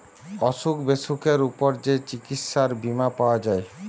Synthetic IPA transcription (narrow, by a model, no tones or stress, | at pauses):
ɔʃukbeʃukeɾupoɾd͡ʑet͡ɕikit̪ʃaɾbimapaoad͡ʑae